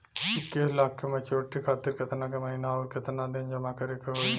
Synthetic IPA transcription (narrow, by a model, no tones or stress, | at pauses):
t͡ʃikːeɦlaːkʰːemɐt͡ʃoːʈːikʰaːt̪ɪɾkɐt̪nakemɐɦinaoɾkɐt̪nad̪eːnd͡ʒɐmakɐɾekeɦo